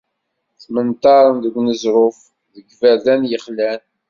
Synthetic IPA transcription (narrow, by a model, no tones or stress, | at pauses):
θmənt̪ɑɾˤənðəɡʷnəzɾʊf | ðəɡvæðænjəχlæn